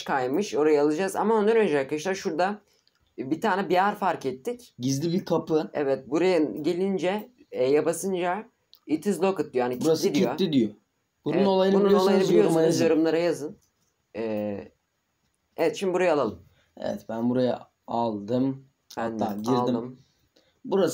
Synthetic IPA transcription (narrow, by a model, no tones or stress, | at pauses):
kʰajmɯʃo̞ɾajaːlˠɯd͡ʒaza̰mao̞nd̪aɾnø̞nd͡ʒɛakaʃlˠaɾʃuɾd̪a | bit̪ʰaːnɛbiaɾfaɾkɛt̪ːicɟizlʲibiɾkʰapɯɛ̰vɛt̪̚buɾajɯɟe̞lʲind͡ʒɛ | jabasɯnd͡ʒa | it̪ʰizlʲˠokɯt̪̚d̪ijanibuɾasid̪iijoːid̪ijo | bunnunolˠajɯnɯununolˠajɯnɯbiljʲijosnuzjo̞ɾumlˠaɾajazɯn | ɛː | evɛt̪ʃimd̪ibuɾajalˠalˠɯm | ɛ̰vɛ̰t̪bænbuɾaja̰ | alˠd̪ɯm | anːaːɟiɾlˠid̪ɯm | buɾas